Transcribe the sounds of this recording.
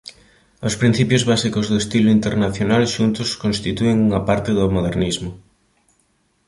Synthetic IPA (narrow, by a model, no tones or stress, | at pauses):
ʊspɾin̟θipjʊzβasikʊzðʊest̪ilʊint̪eɾnaθjonalʃunt̪ʊskõnst̪it̪ueŋuŋɐpaɾt̪ɪðʊmoðeɾnizmʊ